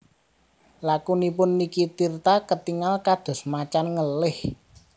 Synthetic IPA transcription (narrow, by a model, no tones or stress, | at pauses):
lakunipʊnːikit̪irt̪akət̪iŋalkad̪̥ɔ̤smat͡ʃanŋəlɪh